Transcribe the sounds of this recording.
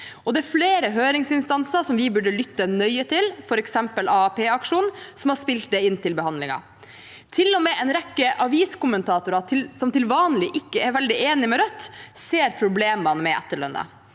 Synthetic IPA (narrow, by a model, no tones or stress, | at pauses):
ɔd̪ɛɛɾfleːɾəɦøːɾɪŋsɪnst̪ɑnsəʂɔmʋɪbʉɖːəlʏt̪ːənœʏət̪ʰɪlfɔɾɛksɛmpəlɑpʰeːɑkʂuːnsɔmhɑʂpɪlt̪̚d̪ɛɪnːt̪ʰɪlbɛhɑnd̪lɪŋɑ̰ | t̪ʰɪlːɔmɛːʔɛnɾɛkːəʔɑʋiːskʊmənt̪ʰɑːt̪ʊɾɑɪlsɔmt̪ɪlʋɑːnəlɪʔɪkːəɛɾʋɛld̪ɪeːnɪmɛɾœt̪ːseːɾpʰɾʊbleːmɑnmɛʔɛ̰t̪ːəɭœ̰nə̰